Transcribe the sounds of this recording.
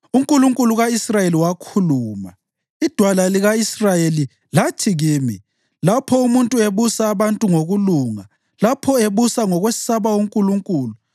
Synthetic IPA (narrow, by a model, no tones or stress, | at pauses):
uŋkʼuluŋkʼuluɣaisrajeliwakʰuluːma̰ | id̥ʱwalaliɣaisrajeli | latʰiɣiːmḭ | lapʰɔumuntʼueβusaːβantʼuŋoɣuluːŋa | lapʰɔeβusaŋɔɣwessaβawuŋkʼuluŋkʼuːlu